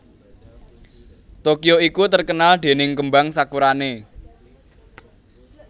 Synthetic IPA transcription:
t̪okijoikut̪ərkənald̪̥e̤nɪŋkəmbaŋsakuɾane

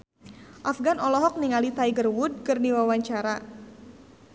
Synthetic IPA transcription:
ʔafɡanɔlɔɦɔk̚niŋalit̪aiɡərwud̚kɨrniwawaɲt͡ʃaɾa

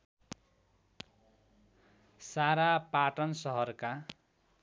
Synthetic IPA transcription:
saɾapaʈʌnsʌɦʌrka

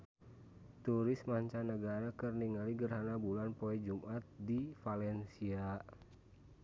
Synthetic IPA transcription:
t̪uɾɪsmaɲt͡ʃanːəɡaɾakɨrniŋaliɡərɦanabulanpɔɛd͡ʒumʔat̪̚difalɛnsia

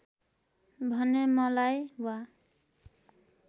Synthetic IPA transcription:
bʱʌnemʌlajwa

